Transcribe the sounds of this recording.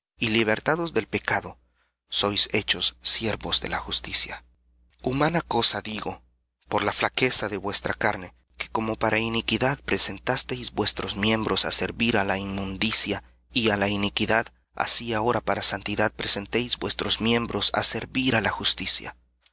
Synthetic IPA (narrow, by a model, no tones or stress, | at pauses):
iliβ̞e̞ɾt̪aðo̞zðe̞lpe̞kaðo̞ | so̞jse̞t͡ʃo̞sːje̞ɾβo̞zðe̞̰laxust̪isja | umanako̞saðiɣo̞ | po̞ɾlaflake̞saðe̞βwe̞st̪ɾakaɾne̞ | ke̞̥ko̞mo̞paɾʔainikiðaðpɾe̞se̞nt̪ast̪e̞jzbwe̞st̪ɾo̞zmje̞mbɾo̞sa̰se̞ɾβiɾalaimmũnd̪isja | ialainikiðað | a̰siao̞ɾapaɾasant̪iðaðpɾe̞se̞nt̪e̞jzbwe̞st̪ɾo̞zmje̞mbɾo̞sa̰se̞ɾβiɾalaxust̪isja̰